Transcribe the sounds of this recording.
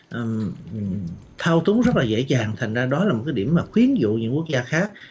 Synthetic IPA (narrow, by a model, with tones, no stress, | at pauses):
ʔə˨˩m˨˩ | t̪ʰaː˧wt̪ʊ˨˦ŋ͡mzə˦˥laː˨˩ḛ˧˥t͡ɕaː˨˩ŋt̪ʰa˨˩ŋ̟zaː˧ɗɔ˨˦la˨˩mo˨˩kːjɗi˧˩əmaː˨˩xwi˨˦ənzṵ˧˨ɲɨ̰˧˥ŋku˦˥ək̚zaː˧xaː˦˥k̚